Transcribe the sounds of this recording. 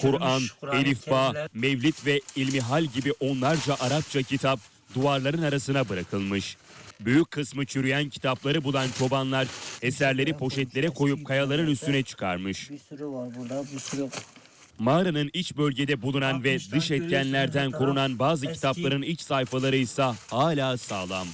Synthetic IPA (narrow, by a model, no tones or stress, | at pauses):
kʰuɾanelʲifːaːmɛvlʲit̪vɛilʲmiɦalʲɟibiʔo̞nlˠaɾd͡ʒaʔaɾap̚t͡ʃʰacʰit̪ʰap̚ | d̪uaɾlˠaɾɯnaɾasɯnabɯɾakʰɯlˠmɯʃbyjycʰːɯsmɯt͡ʃʰyɾyjæncʰi̥t̪ʰaplˠaɾɯbulˠant͡ʃʰo̞banlˠaɾesæɾlʲe̞ɾipʰo̞ʃɛt̪lʲe̞ɾɛkʰo̞jup̚kʰajalˠaɾɯnyst̪ʰynɛt͡ʃʰɯ̥kʰa̰ɾmɯʃ | maːɾanɯnit͡ʃbø̞lʲɟe̞d̪ɛbulˠunanvɛd̪ɯʃɛt̪̚cʰænlʲæɾd̪ænkʰoɾunanbaːzɯcʰi̥t̪ʰaplˠaɾɯnilʲt͡ʃsajfalˠaɾɯjsahaːlʲaːsaːlˠam